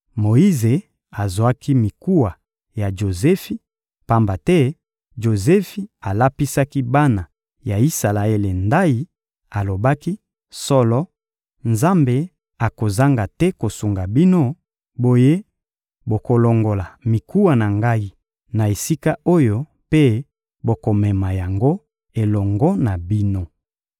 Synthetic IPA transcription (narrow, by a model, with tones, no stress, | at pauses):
mo˨i˦ze˨ | a˨zo˨a˦ki˦mi˨ku˦wa˨ | ja˨ʒo˨zɛ˦fi˦ | pa˦mba˨tɛ˦ | ʒo˨zɛ˦fi˨a˨la˦pi˦sa˦ki˦ba˦na˨ | ja˨i˦sa˨la˨e˦le˨nda˦i˦ | a˨lo˨ba˦ki˦ | sɔ˦lɔ˦ | nza˦mbe˨ | a˨ko˨za˦ŋɡa˨tɛ˦ko˨su˨ŋɡa˨bi˦no˦ | bo˦je˦ | bo˨ko˨lɔ˨ŋɡo˨la˨mi˨ku˦wa˨na˨ŋɡa˦i˦ | na˨e˨si˦ka˦o˦jo˦ | pe˦ | bo˨ko˨mɛ˨ma˨ja˨ŋɡo˦ | e˨lɔ˨ŋɡɔ˦na˨bi˦no˦